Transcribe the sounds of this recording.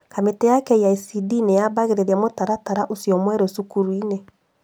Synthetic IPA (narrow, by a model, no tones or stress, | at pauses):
kametɛjakɛijaisidinejabaɣeɾeɾjamotaɾataɾaʔosiɔmwɛɾosukuɾwine